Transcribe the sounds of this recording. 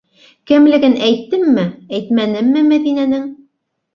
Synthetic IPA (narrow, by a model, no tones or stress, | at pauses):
kɘ̆mlɘ̆ɡɘnæjt̪ːɘmːɘæjt̪mænɘmːɘmæðinænɘŋ